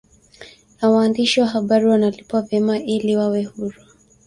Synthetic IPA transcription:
nawaːndiʃiwaɦaɓaɾiwanalipwavjɛmaʔiliwawɛhuɾa

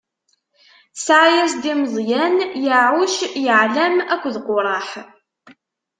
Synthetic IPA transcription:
sʕajæsd̪iməðˤjænjəʕʊʃjəʕlæmækʷːðqʊɾˤɑħ

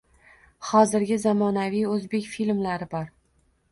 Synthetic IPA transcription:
χɒzɪɾɡʲɪzamɒnavijɵzbe̞kʲfilmlaɾɪbɒɾ

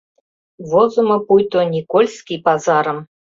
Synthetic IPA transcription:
vɔzumɐpujt̪ɔnʲikɔlʲsʲkʲipazaɾəm

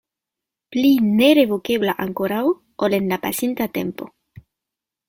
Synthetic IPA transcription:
plineɾeβokeβlaʔaŋkoɾao | olenlapa̰sent̪at̪empo

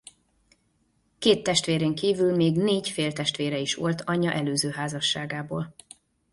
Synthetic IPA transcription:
keːt̪ːɛʃt̪ʋeːɾeːŋkiːvylmeːɡneːɟfeːlt̪ɛʃt̪ʋeːɾɛiʃʋo̞lt̪ʰɒɲːɒʔɛløːzøːɦaːzɒʃːaːɡaːboːl

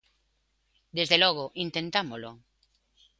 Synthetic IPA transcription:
d̪ezðelɔɣoʔint̪ent̪amolo

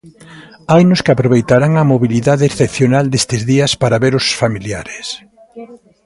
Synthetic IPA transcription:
ajnʊskɪapɾoβejt̪aɾaŋɐmoβiliðaðɪːsθepθjonald̪est̪ɪzðiɐspaɾaβeɾʊsfamilja̰ɾɪs

